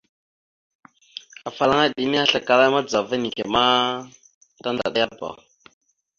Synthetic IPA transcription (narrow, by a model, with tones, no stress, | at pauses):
a˨fa˨la˦ŋa˦ɗi˨ni˦a˦ɬa˨ka˨la˦ma˦d͡za˨va˦ni˨kɛ˨ma˦ | ta˦n˨da̰˨ɗa˦ja˦ba̰˨